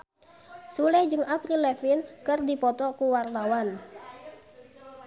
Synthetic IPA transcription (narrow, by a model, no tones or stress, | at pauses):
sulɛhd͡ʒɨŋaprilɛfinkərdipɔt̪ɔkuwart̪awan